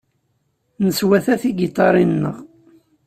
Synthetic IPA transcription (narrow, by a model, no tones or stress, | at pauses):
nəswæθæθiɡit̪ˤːɑɾˤinːə̰ʁ